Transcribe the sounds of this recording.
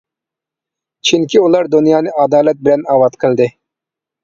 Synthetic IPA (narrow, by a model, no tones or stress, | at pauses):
t͡ʃʰiŋkʲiulˠɑɾd̪unjɑːnɨʔɑd̪ɑːlɛt̪̚bɪlɛnɑːwɑt̪qʰəlˠd̪ɪ